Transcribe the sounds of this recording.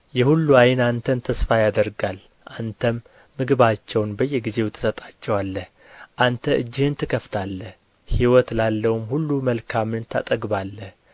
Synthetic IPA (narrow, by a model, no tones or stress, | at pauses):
jɛhulːuajɪnant̪ʰənt̪ʰəsfajad̪əɾɡal | ʔant̪ʰəmː | ɨɡɨβat͡ʃːɛwnbəjːɛɡize̞wt̪ʰɨ̥sət̪ʼat͡ʃːɛwalːəh | ʔant̪ʰəʔɨ̰d͡ʒːɪhɨnt̪ʰɨkʰəft̪ʰalːə | hiwɔt̪lalːəwumhulːuməlkʰamɨnt̪ʰa̰t̪ʼəɡbalːəh